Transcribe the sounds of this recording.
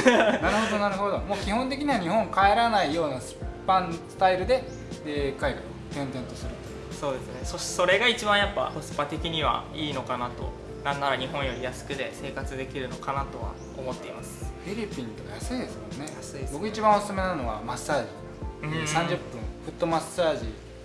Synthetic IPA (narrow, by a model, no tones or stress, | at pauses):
naɾɯ̟ɦo̞d̪onaɾɯ̟ho̞d̪o̞mo̞ːkʲihõ̞nt̪̬e̞kʲiɲ̟iβaɲ̟ihõ̞ŋkae̞ɾanaijo̞ːnasɨ̥pːãnsɨ̥t̪aiɾɯ̟d̪e̞ | eːkaiɡa | t̪ẽ̞nt̪ẽ̞nt̪o̞sɨɾɯ̟t̪o | so̞ːd̪e̞sɨne̞so̥so̞ɾe̞ɡait͡ɕibãɰ̃japːa̰hosɨ̥pat̪e̞kʲiɲ̟iβa̰iːno̞kanat̪o̞̰ | nãnːaɾaɲ̟iɦõ̞ɰ̃jo̞ɾʲijasɨ̥kɯ̟d̪e̞se̞ːkat͡sɨd̪e̞kʲiɾɯ̟no̞kanat̪o̞βa̰ | omo̞t̪ːe̞imasɨ̥ɸʲiɾʲipʲĩnt̪o̞kajasɨid̪e̞sɨmõ̞nːeasbo̞kɯ̟it͡ɕibãɰ̃osɨ̥sɨme̞nano̞βa̰masaːʑḭ | sãɲ̟d͡ʑɨpːɯ̟̃ɸɯ̟t̪ːo̞masaːʑi